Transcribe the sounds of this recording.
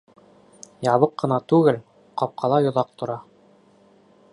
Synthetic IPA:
jɑβɤqːɤ̆nɑt̪ʉɡɘl | qɑp̚qʰɑlˠɑjŏðɑq̚t̪ŏɾɑ

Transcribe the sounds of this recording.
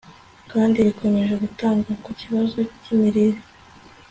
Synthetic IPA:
kaːndiβikʰo̞me̞ʒe̞ɡutaːŋɡakuciβazo̞cimiɾiɾi

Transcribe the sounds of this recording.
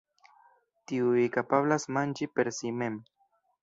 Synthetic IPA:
t̪iuikapaβlasmand͡ʒipe̞ɾsimem

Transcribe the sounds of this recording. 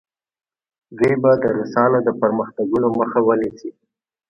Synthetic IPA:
d̪ujbad̪əɾusɑnod̪əpəɾməxt̪aɡunoməxawənisi

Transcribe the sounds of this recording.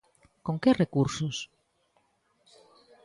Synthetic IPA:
koŋkerekuɾsʊs

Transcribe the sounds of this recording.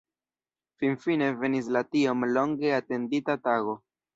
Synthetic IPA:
finfine̞ve̞nis̬latio̞mlo̞ŋɡe̞ate̞nditataɡo̞

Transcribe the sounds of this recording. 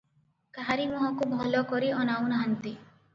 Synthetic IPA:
kaɦaɾimɔɦɔkubʱɔlɔkɔɾiɔnawnɦant̪i

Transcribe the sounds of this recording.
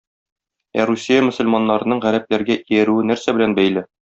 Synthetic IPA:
æɾusʲːijamɵ̆sɘ̆lmɑnːɑɾɤ̆nɤɴʁæɾæp̚læɾɡæʔijæɾʉɘnæɾsæbɘ̆lænbæjlɘ

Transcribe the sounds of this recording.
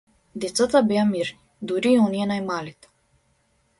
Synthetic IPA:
d̪ɛt̪sat̪abɛamiɾnid̪uɾiːɔnijɛnajmalit̪ɛ̥

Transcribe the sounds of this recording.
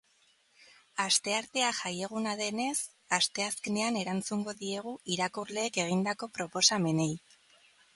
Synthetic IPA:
ast̪e̞aɾt̪e̞aʝaje̞ɣ̞unað̞e̞ne̞s | ast̪e̞aske̞ne̞ane̞ɾant͡suŋɡo̞ðie̞ɣ̞uʔiɾakuɾle̞ːke̞ɣ̞ind̪ako̞pɾo̞po̞same̞ne̞j

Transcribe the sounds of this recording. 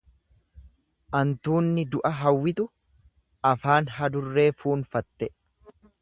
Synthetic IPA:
ʔɐnt̪uːnːɪd̪ʊʔɐɦɐwːɪt̪ʊ | ʔɐfaːnɦɐd̪ʊrːe̞ːfuːnfɐt̪ːɛ

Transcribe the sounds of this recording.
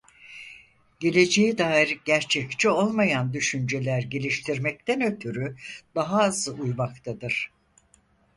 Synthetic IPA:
ɟ̥e̞lʲe̞d͡ʒejɛd̪aːiɾɟæɾt͡ʃʰɛct͡ʃio̞lˠmajand̪yʃynd͡ʒe̞lʲæɾɟe̞lʲiʃt̪ʰiɾmɛc̚t̪ʰænø̞t̪ʰyɾyd̪̥aɦaːzɯʔujmakt̪ʰad̪ɯɾ̥

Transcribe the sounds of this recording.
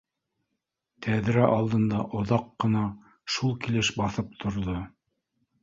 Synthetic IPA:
t̪ʰæðɾæʔɑlˠd̪ɤ̆nd̪ɑʔŏðɑqːɤ̆nɑ | ʃulˠkilɘʃbɑθɤp̚t̪ʰŏɾðo

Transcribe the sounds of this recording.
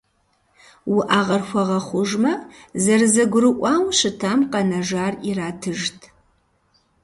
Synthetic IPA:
wʊʔaːʁɐrxʷɐʁɐχʷʊʒmɐzɐrzɐɡʷʊrɨʔʷɑːwɕɨtʰaːmqɐnɐʒaːriraːtʰɨʒtʰ

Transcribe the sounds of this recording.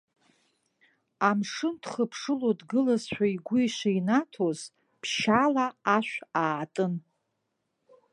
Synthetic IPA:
amʂɨndχəpʰʂɨlodɡɨlazħʷᶣaiɡʷʊiʃʷainatʰoz̥ | pʰʃalaːʃᶣʷaːtʼɨn

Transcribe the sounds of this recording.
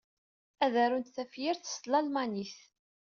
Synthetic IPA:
æðæɾunt̪θæfjɪɾθə̥slɑlmaniθ

